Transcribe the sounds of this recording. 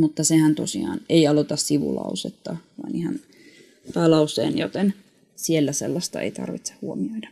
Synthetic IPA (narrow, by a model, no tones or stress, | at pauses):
mut̪ːɑsehænt̪osḭɑ̰ːneiɑlot̪ɑssiʋṵlɑ̰uset̪ːɑʋɑinihɑn | p̪ɑːlɑusˑḛːnjot̪en | sielːæsḛlːɑst̪ɑḛit̪ɑ̰rʋit̪se̥hhuomioidɑ̥